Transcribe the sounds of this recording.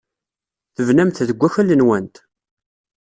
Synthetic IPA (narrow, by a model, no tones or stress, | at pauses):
θəvnæmθðəɡʷːæçælːənwænt̪